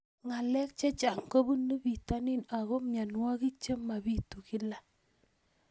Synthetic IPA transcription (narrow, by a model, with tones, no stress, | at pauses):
ŋa˨lɛ˦k̚t͡ʃe˦t͡ʃa˨ŋko˦bu˦nu˦bi˨ta˦ni˦˨na˨ɣɔ˦mɲa˨nwa˦ki˦t͡ʃe˦ma˨bi˦tu˨ki˦la˦